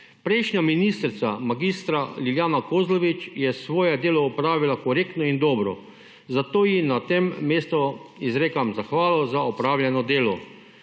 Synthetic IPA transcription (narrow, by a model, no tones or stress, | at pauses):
pɾɛjʃɲaminist̪ɾt̪samaɡist̪ɾaliljaːnakoːzlɔʋit͡ʃjɛsʋoːjɛd̪eːlɔɔpɾaːʋilakɔɾeːkt̪nɔind̪ɔːbɾɔ̰ | zat̪oːjinat̪emːeːst̪ɔizɾeːkamzaxʋaːlɔzaɔpɾaːwlʲjɛnɔd̪eːlɔ